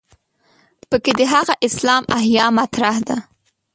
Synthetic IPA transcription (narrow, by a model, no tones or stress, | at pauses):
pəked̪əɦaɣaʔɪslɑmahjɑmat̪ɾahd̪a